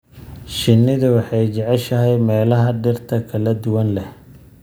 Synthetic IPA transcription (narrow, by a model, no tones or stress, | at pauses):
ʃɪnːɪðʊwɑħɑjt͡ʃɛʕɛʃɐɦɛjmɛːlɐɦɐɖɪrt̪ʰɐkʰɐlɐd̪ʊwɐnlɛh